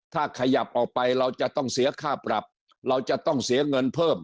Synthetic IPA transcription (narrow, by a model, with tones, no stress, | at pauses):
t̪ʰaː˥˩kʰa˧ja˨˩p̚ʔɔː˨˩k̚pa˧jɾa˧wt͡ɕa˨˩t̪ɔ˥˩ŋsi˨˩˦ɐkʰaː˥˩pɾa˨˩p̚ | ɾa˧wt͡ɕa˨˩t̪ɔ˥˩ŋsi˨˩˦ɐŋɤ˧npʰɤː˥˩m